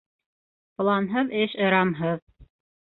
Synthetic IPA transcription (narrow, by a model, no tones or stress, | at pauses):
pɤ̆lˠɑnɦɤðɘʃɤ̆ɾɑmɦɤð